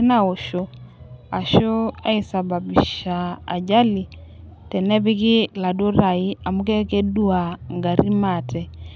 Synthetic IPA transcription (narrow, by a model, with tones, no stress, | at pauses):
na˨o˨ʃo˨a˨ʃo˦a˦i˨sa˨ba˨bi˨ʃa̰ː˨d͡ʒa˦li˨ | tɛ˨nɛ˦bi˦kɪ˦la˨do˦ɾa˨i˦a˨mu˦kɛ˦kɛ˦du˦a˨ŋɡa˨ɾi˦ma˦˨tʰɛ˨